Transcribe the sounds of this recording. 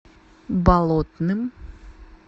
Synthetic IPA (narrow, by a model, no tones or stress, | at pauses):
balˠot̪nɨm